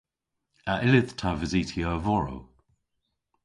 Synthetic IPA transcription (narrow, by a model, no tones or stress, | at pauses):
aʔɪlɪðtʰavəziːtʰiavɔɹo̰w